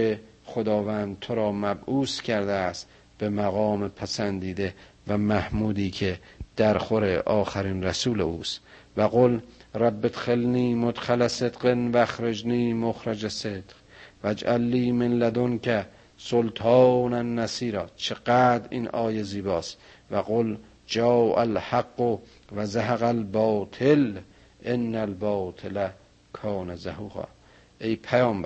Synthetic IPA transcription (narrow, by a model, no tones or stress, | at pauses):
e | χod̪ɒːvæːnd̪̚t̪ʰoɾɒːmæbʔuːscʰæɾd̪eæst̪ | b̥emæɣɒːmepʰæsænd̪iːd̪e | væmæhmuːd̪iːkʰe | d̪̥æɾxoɾeʔɒːxæɾinræsuːlḛuːst̪ | væɣolræbːet̪xelniːmot̪xælæsed̪qenvæxɾed͡ʒniːmoxɾæd͡ʒæsed̪̥q | væd͡ʒʔælːiːmenlæd̪onkʰæ | solt̪ʰɑːnænːæsiːɾɑːt͡ʃʰeɡæːd̪ɾiːnʔɒːjeziːbɒːs | væɣol | d͡ʒɑːʔælhaɡːo | væzaɦaɣælbɒːt̪ʰel | ʔenːælbɒːt̪ʰelæ | kʰɒːnæzahuːɣɑ̰ː | ʔejpʰæjɒːmb